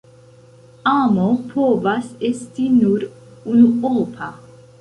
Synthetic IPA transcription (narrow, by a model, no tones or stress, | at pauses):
aːmopʰoːvasestinuɾ | unuoːpʰa